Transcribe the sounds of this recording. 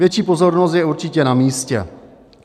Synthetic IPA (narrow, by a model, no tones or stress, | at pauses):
jɛt͡ʃiːpozo̞ɾnost̪jɛuɾt͡ʃɪcɛnamiːscɛ̰